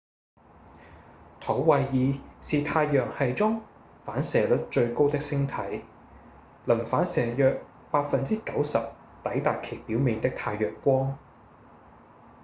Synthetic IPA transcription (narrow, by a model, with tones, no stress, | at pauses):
t̪ʰɐ˨˥wwɐ˨jjiː˨˧siː˨t̪ʰaː˧jːœː˨k̚hɐ˨jt͡sɔː˥ŋ | faː˨˥nsɛː˨lɵ˨˥t̚t͡ʃɵ˧ɥko˥wt̪ɪ˥k̚sɪ˥ŋt̪ʰɐ˨˥j | lɐ˨˩nfaː˨˥nsɛː˨˩jœː˨k̚ | paː˧t̚fɐ˨nt͡siː˥kɐ˨˥wsɐ˨p̚ | t̪ɐ˨˥jt̪aː˨kʰe˨˩jpiː˨˥wmiː˨˧ŋt̪ɪ˥k̚t̪ʰaː˧jːœː˨kːʷɔː˥ŋ